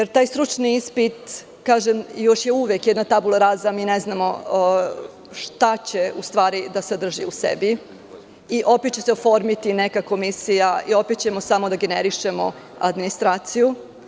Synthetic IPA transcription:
jeɾt̪aːjst̪ɾut͡ʃniispit̪ | kaːʒemjo̞ʃje̞uʋekjɛd̪nat̪abulˠaɾazamiːneznamo̞ | ʃt̪at͡ɕeust̪ʋaːɾid̪ased̪r̩ʒḭusḛbi | iʔo̞pet̪t͡ɕeseofo̞ɾmit̪inekako̞misijaio̞pet̪t͡ɕe̞mo̞samo̞d̪aɡeneɾiʃe̞mo̞̰ | a̰d̪minist̪ɾaːt̪siju

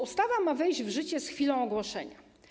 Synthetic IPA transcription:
ust̪avamavɛjʑd͡ʑvʐɘt͡ɕɛsxfʲilɔ̃w̃ɔɡwɔʂɛɲa

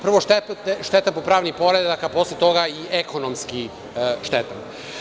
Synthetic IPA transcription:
pr̩ʋoʃt̪ett̪eʃt̪et̪apopɾaːʋnixpo̞ɾed̪akapo̞slˠet̪o̞ɡaiʔeko̞nomski | ʃt̪et̪am

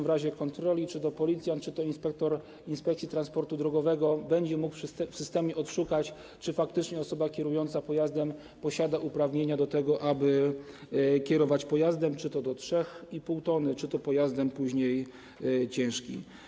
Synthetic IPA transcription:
vɾaʑɛkɔnt̪ɾɔlʲit͡ʂɘt̪ɔpɔlʲit̪sʲjant̪t͡ʂɘt̪ɔinspɛk̚t̪ɔɾ | inspɛkt̪sʲit̪ɾanspɔɾt̪ud̪ɾɔɡɔvɛɡɔbɛɲd͡ʑɛmukʂfsɘst̪ɛmʲjɛɔt̪ʂukat͡ɕ | t͡ʂɘfak̚t̪ɘt͡ʂɲɛɔsɔbakʲjɛɾujɔnt̪sapɔjazd̪ɛm | pɔɕad̪aʔupɾavɲeɲad̪ɔt̪ɛɡɔʔabɘ | kʲɛɾɔvat͡ɕpɔjazd̪ɛmt͡ʂɘt̪ɔd̪ɔtʂɛxipuwt̪ɔnɘt͡ʂɘt̪ɔpɔjazd̪ɛmpuʑɲej | t͡ɕɛ̃w̃ʂkʲḭ

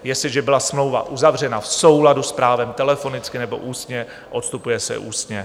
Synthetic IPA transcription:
jɛsɪʒɛbɪlasmlo̞wva̰ʔuzavr̝ɛnafso̞wladuspɾaːvɛmt̪ɛlɛfo̞nɪt͡skɪnɛbo̞̰ʔuːst̪ɲɛ | ʔo̞t̪st̪upujɛsɛ̰ʔuːst̪ɲɛ

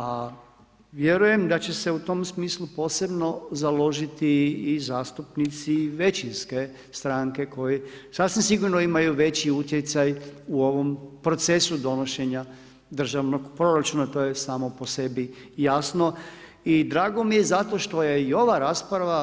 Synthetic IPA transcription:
a | ʋje̞ɾuje̞md̪at͡ɕe̞se̞ut̪o̞msmiːslˠupo̞ːse̞bno̞zalo̞ʒit̪iːzaːst̪upnit̪siʋe̞t͡ɕinske̞ | st̪ɾaŋke̞ko̞jisasʋims̬iɡuɾnoimajuʋe̞t͡ɕiut̪jet̪sajuoʋompɾo̞t̪se̞sud̪o̞no̞ʃe̞ɲa | d̪r̩ʒaʋno̞ɡpɾo̞ɾat͡ʃuːnat̪o̞ːjesaːmo̞po̞se̞bijasno̞ | id̪ɾaːɡo̞mije̞zat̪o̞ʃt̪o̞je̞io̞ʋaɾaːspɾaʋa

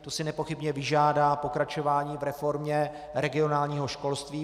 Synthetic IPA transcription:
t̪osɪnɛpo̞xɪbɲɛvɪʒaːdaːpo̞kɾat͡ʃo̞vaːɲiːvɾɛfo̞ɾmɲɛ | ɾɛɡɪo̞naːlɲiːɦo̞ʃko̞lst̪viː

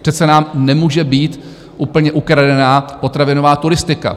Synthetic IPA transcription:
r̥ɛt̪sɛnaːmnɛmuːʒɛbiːt̪ | ʔuːpl̩ɲɛʔukɾadɛnaːpo̞t̪ɾavɪno̞vaːt̪uɾɪst̪ɪka̰

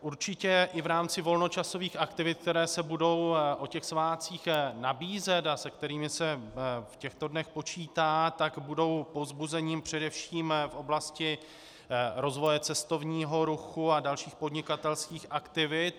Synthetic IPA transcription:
ʔuɾt͡ʃɪcɛʔɪvɾaːmt͡sɪvo̞lno̞t͡ʃaso̞viːxʔakt̪ɪvɪt̪̚k̚t̪ɛɾɛːsɛbudo̞wʔo̞cɛxsvaːt͡siːxnabiːzɛt̪asɛk̚t̪ɛɾiːmɪsɛfcɛxt̪o̞dnɛxpo̞t͡ʃiːt̪aːt̪aɡbudo̞wpo̞zbuzɛɲiːmpr̝̥ɛdɛfʃiːmfʔo̞blascɪ | ɾo̞zvo̞jɛt͡sɛst̪o̞vɲiːɦo̞ɾuxuadalʃiːxpo̞dɲɪkat̪ɛlskiːxʔakt̪ɪvɪt̪

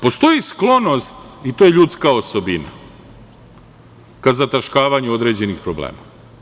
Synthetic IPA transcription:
po̞st̪o̞jisklˠo̞no̞st̪it̪oːjeʎut̪skao̞so̞bina̰ | kazat̪aʃkaːʋaɲuod̪ɾe̞d͡ʑe̞nixpɾoblḛːma̰

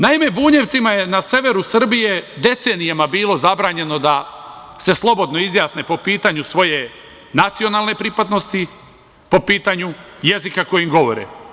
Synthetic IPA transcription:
naime̞buːɲe̞ʋt̪simaje̞nasje̞ʋe̞ɾusr̩bije̞d̪e̞t̪seːnijamabiːlˠo̞zabɾaːɲe̞no̞d̪a | se̞slˠo̞bo̞d̪no̞izjaːsne̞po̞piːt̪aɲusʋo̞je̞ | nat̪sio̞naːlne̞pɾipad̪no̞st̪i | po̞piːt̪aɲuje̞zikako̞jimɡo̞ʋo̞̰ɾḛ

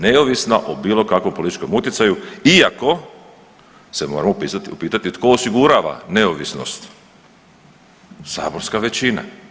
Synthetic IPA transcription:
ne̞oʋisnaʔobiːlˠo̞kakʋo̞mpolit̪it͡ʃko̞mut̪jet̪sajuiako̞ | se̞mo̞ːɾamupiːt̪at̪it̪ko̞ːsiɡuɾaːʋa̰ne̞oʋisno̰st̪ | sa̰ːbo̞ɾskaʋe̞t͡ɕina̰

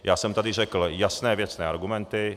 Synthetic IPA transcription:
jaːsɔmt̪ɛd̪iʒɛkl̩jasnɛːʋɪɛt͡snɛːaɾɡumɛnt̪i

